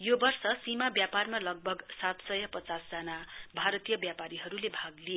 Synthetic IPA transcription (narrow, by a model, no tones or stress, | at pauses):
jobʌrsʌsimabjaparmalʌɡ̚bʱʌɡsat̪sʌjʌpʌt͡sasd͡zʌnabʱaɾʌt̪ijʌbjapaɾiɦʌɾulebʱaɡlie